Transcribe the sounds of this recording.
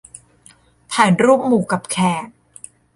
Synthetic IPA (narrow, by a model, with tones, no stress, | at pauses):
pʰɛː˨˩˦nɾuː˥˩p̚muː˨˩ka˨˩p̚kʰɛː˨˩t̪̚